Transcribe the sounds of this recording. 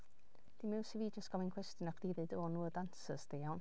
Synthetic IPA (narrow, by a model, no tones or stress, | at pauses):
d̥imɛwsiviːdjɔsɡ̥ɔmɪnkʰw̥ɛstjɔnaχd̥iːðɨdoːnuːədansəsd̥ejawn